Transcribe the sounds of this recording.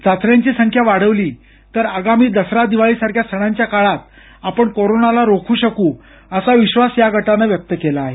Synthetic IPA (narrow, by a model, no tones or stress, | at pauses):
d͡zat̪ɾjaɲt͡ɕiːsəŋkʰjaʋaɽəʋliː | t̪əɾəɡamiːd̪əsɾad̪iʋaɭiːsaɾkʰjast̪ʰəɽ̃aɲt͡ɕjakaɭat̪̚ | apəɳkoɾonalaɾokʰuːɕəkuː | əsaʋiɕʋasjaɡʱəʈanaʋjək̚t̪əkelaːɦe